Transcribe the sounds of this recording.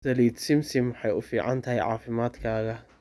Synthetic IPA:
sɐliːd̪sɪmsɪmːħɑjʊfiːʕɑ̰nt̪ʰɐɦɛjʕɑ̰ːfɪmaːd̪kʰaːɣɐ

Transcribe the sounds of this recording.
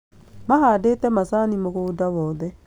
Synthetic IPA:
maɦadeːtɛmasanimoɣoːdawɔːðɛ

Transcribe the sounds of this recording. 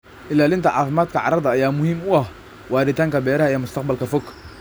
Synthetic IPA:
ʔɪlaːlɪnt̪ʰɐʕɑ̰ːfɪmaːd̪kʰɐʕɑ̰ɾɐðɐɐjaːmʊhiːmʊɐh | wɑːɾɪt̪ʰaːŋkʰɐbɛːɾɐɦɐɛjmʊst̪ɑqbɐlkʰɐfɔkʰ

